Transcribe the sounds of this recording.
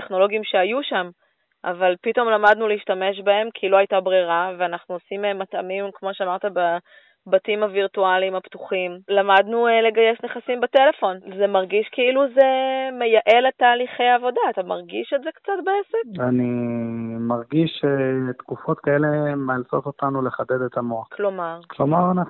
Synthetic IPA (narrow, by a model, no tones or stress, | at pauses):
teχno̞lo̞ɡiimʃeajuʃam | ʔa̰valpito̞mlamad̪nuliiʃtame̞ʃbae̞mkʰilo̞ajtabʁiʁaveanaχnuosimemːat̪a̰mimkmo̞ʃeamaʁt̪aba | batimaviʁtualimaptuχimlamadnule̞ɡajesneχasimbete̞le̞fo̞nzemaʁɡiʃkeiluzemejaʔe̞let̪aːliχejaːvo̞daːt̪amaʁɡiʃetzekt͡satbeesekvani | maʁɡiʃet̪kufo̞tkaelemealtot̪ot̪anuleχaded̪et̪amotlo̞maʁklo̞maʁana